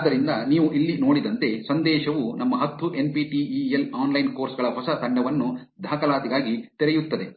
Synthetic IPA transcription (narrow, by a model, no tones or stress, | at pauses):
aːd̪ɐɾind̪ɐniːʋuʔilːino̞ːɽid̪ɐnt̪e̞sɐnd̪ɛːʃɐʋunɐmːɐɦɐt̪ːuʔe̞npiʈiːiːelaːnlɐjnko̞ːɾsɡɐɭɐɦɔsɐt̪ɐɳɖɐʋɐnːu | d̪ʱaːkɐlaːt̪iɡaːɡit̪eɾɛjut̪ːɐd̪e̞